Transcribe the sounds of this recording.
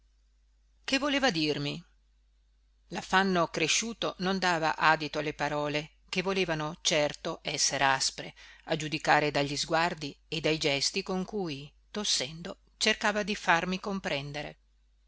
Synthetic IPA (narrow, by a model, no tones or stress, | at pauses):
kevːoleːvad̪irmi | lafanːokɾeʃːuːt̪onond̪aːva̰ʔaːd̪it̪oalːepaɾɔːle | k̟evːoleːvanot͡ʃɛrt̪oʔɛsːeɾeaspɾead͡ʒud̪ikaːɾed̪aʎːizɡward̪ied̪ːajd͡ʒɛst̪ikoŋkuj | t̪osːɛnd̪o | t͡ʃerkaːvad̪ifarmikompɾɛnd̪eɾḛ